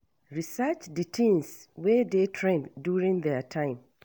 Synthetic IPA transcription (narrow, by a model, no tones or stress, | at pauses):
ɹisɛt͡ʃditʰĩnswɛdetʰɹẽndjuɹĩŋðɛtʰãɪ̃m